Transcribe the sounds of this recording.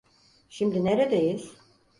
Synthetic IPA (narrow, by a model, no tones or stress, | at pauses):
ʃimd̪ineɾed̪ejiɾ̥